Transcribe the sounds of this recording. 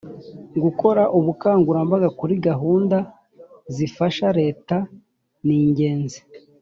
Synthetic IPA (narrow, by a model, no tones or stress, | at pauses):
ŋɡuko̞ɾaʔuβukaːŋɡuɾambaɡakuɾiɡaɦuːnda | zifaʃaɾe̞ːta | niːɲɟe̞ːnzi̥